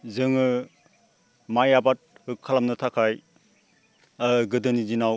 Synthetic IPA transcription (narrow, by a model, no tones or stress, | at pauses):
zɯŋɯ | majabat̚hɯkʰːalamnɯtʰakʰaj | ɡɯdɯnizinaw